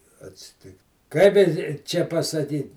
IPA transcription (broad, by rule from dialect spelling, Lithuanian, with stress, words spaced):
ɐtʲsʲɪˈtʲɪkt ˈkɐɪp ɪ ɪ ˈt͡ʃʲɛ pɐsɐˈdʲiːn